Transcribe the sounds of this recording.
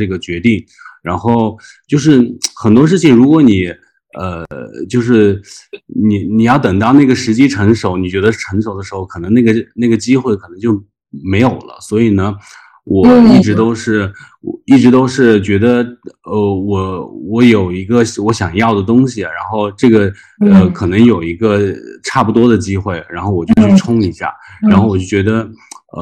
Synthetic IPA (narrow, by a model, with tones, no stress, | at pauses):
ɤ˥˩ɡə˩t͡ɕɥɛ˧˥t̪i˥˩ŋ | ɻa˧˥nxo˥˩˧ʊt͡ɕjo˥˧ʊʂɻ̩˥˩xə˨˩nt̪wɔ˥ʂ̬ɻ̩˥˩t͡ɕʰi˨˩ŋɻu˧˥kwɔ˧˥ni˨˩˦ | ə˧t͡ɕjo˥˧ʊʂ̬ɻ̩˥˩ | ni˨˩ni˨˩jɑ˥˩ʊt̪ə˨˩ŋt̪ɑ˥˧ʊna˥˩ɡə˩ʂɻ̩˧˥t͡ɕi˥ʈ͡ʂʰɤ˧˥ŋʂo˨˧˥ʊni˨˩t͡ɕɥɛ˧˥d̪ə˧˥ʈ͡ʂʰɤ˧˥ŋʂo˨˩ʊd̪ə˦ʂɻ̩˧˥xo˥˩ʊkʰɤ˨˩nɤ˧˥ŋna˥˩ɡə˩na˥˩ɡə˩t͡ɕi˥xwe˥˩ɪkʰɤ˨˩nɤ˧˥ŋt͡ɕjo˥˩ʊ | me˧˥ɪjo˨˩ʊlə̰˦swɔ˧˥i˨˩nə˦ | wʔɔ˨˩i˥˩ʈ͡ʂɻ̩˧˥t̪o˥ʊʂɻ̩˥˩ | wɔ˨˩i˥˩ʈ͡ʂɻ̩˧˥t̪o˥ʊʂɻ̩˥˩t͡ɕɥɛ˧˥d̪ə˧ə˧˩wɔ˨˩wɔ˧˥jo˨˩ʊi˧˥ɡə˧wɔ˧˥ɕjɑ˨˩ŋjɑ˥˩ʊd̪ə˩t̪ʊ˥ŋɕi˨˩ɻa˧˥nxo˥˧ʊʈ͡ʂɤ˥˩ɡə˩ | ə˧kʰɤ˨˩nɤ˧˥ŋjo˨˩ʊi˧˥ɡə˧ʈ͡ʂʰa˥˩pu˩t̪wɔ˥d̪ə˨t͡ɕi˥xwe˥˩ɪɻa˧˥nxo˥˩ʊwɔ˨˩t͡ɕjo˥˧t͡ɕʰy˥˩ʈ͡ʂʰʊ˥ŋi˧˥ɕja̰˥˩ɻa˥nxo˥˩ʊwɔ˨˩t͡ɕjo˥˩ʊt͡ɕɥɛ˧˥d̪ə˧ | ə˧